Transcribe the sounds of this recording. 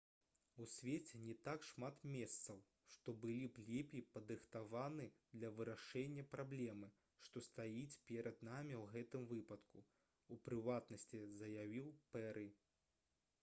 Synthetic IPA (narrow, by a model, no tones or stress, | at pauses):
usʲvʲet͡sʲɛnʲɛt̪akʂmat̪mʲɛst̪sɐw | ʂt̪ɔbɨlʲiplʲɛpʲipɐd̪ɾɨxt̪avanɨd̪lʲɐvɨɾaʂɛnʲːɐpɾablʲɛmɨ | ʂt̪ɔst̪ajit͡sʲpʲɛɾʔɐd̪̚namʲiwɣɛt̪ɨmvɨpɐt̪ku | upɾɨvat̪nɐsʲt͡sʲizɐjavʲiwpɛɾʔɨ